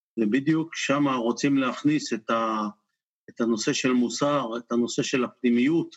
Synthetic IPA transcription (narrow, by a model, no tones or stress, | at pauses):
vebid̪jukʃamaʁo̞t͡simleaχniset̪a | et̪ano̞se̞ʃe̞lmusaʁet̪ano̞se̞ʃe̞lapnimijut̪